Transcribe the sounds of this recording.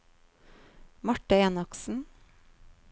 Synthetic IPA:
mɑʈəeːnɑksn̩

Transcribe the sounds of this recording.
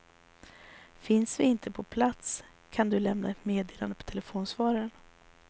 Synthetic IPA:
fɪnsvɪɪnt̪ʰəpʰɔpʰlat̪s | kʰand̪ɵlɛmnaɛt̪meːd̪eːla̰nd̪əpɔ̥t̪ʰɛlɛfoːnsvɑːɾaɾən

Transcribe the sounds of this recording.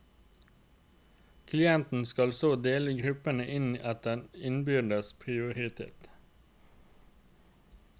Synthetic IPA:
kʰlɪɛnt̪n̩skɑlsoːd̪eːləɡʁʉpənəʔɪniʔɑt̪̚d̪ɛnɪnbʏd̪əspʰʁɪʊʁɪt̪ʰḛːt̪

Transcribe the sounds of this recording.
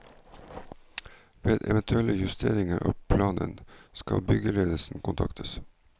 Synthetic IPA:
ʋeːd̪ɛ̰ʋɛnt̪ʰʉɛləjʉst̪ʰeːɾɪŋəɾʔɑːpʰlɑːnənskɑbʏɡəleːd̪əsn̩kʊnt̪ʰɑkt̪ʰəs

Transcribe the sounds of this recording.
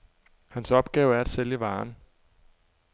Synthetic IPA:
hænsɒ̽b̥ɡ̥ɛːʊæɐed̥seljəʋɑ̈ːn

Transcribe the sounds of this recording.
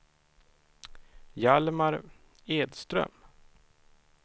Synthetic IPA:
jalmaɾ | eːd̪st̪ɾœ̰m

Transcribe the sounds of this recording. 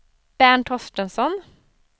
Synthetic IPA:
b̥æːɳʈʰɔsʈənsɔn

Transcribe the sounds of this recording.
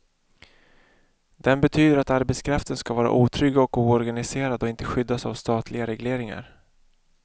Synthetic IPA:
d̪̥ɛnbɛt̪ʰyːd̪əɾat̪aɾbɛt̪skʰɾaft̪ənskavɑːɾa̰ʔuːt̪ʰɾʏɡːaɔkuːɔɾɡanɪseːɾad̪ɔɪnt̪əɧʏd̪ːasa̰vst̪ɑːt̪ʰlɪɡaɾɛɡleːɾɪŋa̰ɾ

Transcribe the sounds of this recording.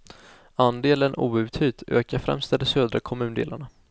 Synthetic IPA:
and̪eːlənʔṵːʉ̟ːt̪hyːt̪ʰø̰ːkaɾfɾɛ̰mst̪ɛd̪ɛsøːd̪ɾakʰɔmʉ̟ːnd̪ḛːlaɳa

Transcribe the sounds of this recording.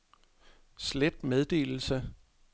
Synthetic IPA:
sled̥með̞ˠd̥e̝̰ːl̩sə

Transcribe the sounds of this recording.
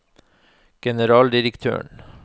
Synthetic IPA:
ɡ̥ɛnəɾɑːld̪ɪɾəkt̪ʰø̰ːɳ

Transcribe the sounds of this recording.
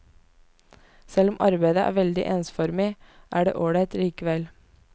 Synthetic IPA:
sɛlɔmʔɑɾbæɪd̪əʔæ̰ːʋɛld̪ɪ̰ʔeːnsfɔɾmɪː | ʔæːɖḛːʔoːɽət̪ɾiːkəʋɛl

